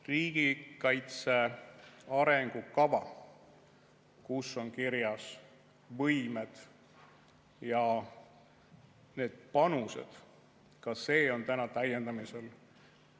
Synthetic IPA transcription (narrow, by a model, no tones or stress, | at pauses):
riːɡ̥ikɑjt̪se̞ | ɑɾe̞ŋɡ̥ukɑvɑ̰ | kusːo̞nkiɾjɑs | vɤjmed̪̥ | jɑ | ne̞ːd̪̥̚pɑnuse̞̰d̪̥ | kɑse̞ːo̞nt̪ænɑt̪æjːe̞nd̪ɑmise̞l